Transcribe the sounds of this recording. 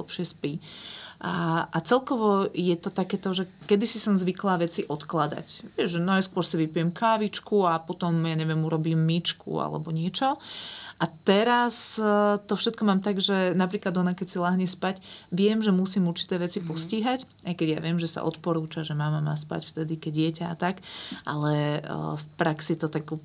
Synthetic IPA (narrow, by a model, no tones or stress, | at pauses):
lɛpʃɪɛspi | aʔat͡sɛlkɔʋɔjɛt̪ɔt̪akɛːt̪ɔʒɛkɛd̪isisɔnzʋiklaːʋɛt͡siʔɔt̪klad̪a̰cʋɪɛʒʒɛnɔaskʊɔɾsiʋipijɛmkaːʋit͡ʃkuapɔt̪ɔmjaɲɛʋjɛmuɾɔbiːmːit͡ʃkṵa̰lɛ̰bɔɲɪɛt͡ʃɔʔat̪ɛɾast̪ɔfʃɛt̪̚kɔmaːmt̪aɡʒɛnapɾiːklad̪ɔnakɛcsilaɦɲɛspacʋɪɛmʒɛmusiːmuɾt͡ʃi̥t̪ɛːʋɛt͡sipɔsciːɦac | ajkɛɟja̰ʋɪɛmʒɛsa̰ʔɔ̰t̪pɔɾuːt͡ʃaʒɛmamamaːspa̰cft̪ɛd̪ikɛɟ̚ɪɛcaat̪akʔa̰lɛfpɾaksit̪ɔt̪aɡ